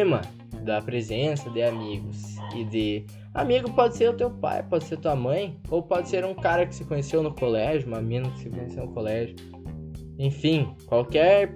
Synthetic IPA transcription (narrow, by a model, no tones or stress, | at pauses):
mɐ | d̪ɐpɾezẽsɐd̪ɪamiɡʊsɪd̪ɪ | a̰miɡʊpɔd̪ɪseɾʊt̪ewpa̰jpɔd̪ɪseɾt̪uɐmɐ̃j̃owpɔd̪ɪseɾũkaɾɐkɪ̥sɪkõɲesewnʊkolɛʒʊũmɐmĩnɐkɪ̥sɪkõɲesewnʊkolɛʒʊ | ẽj̃fĩkwawkɛɾ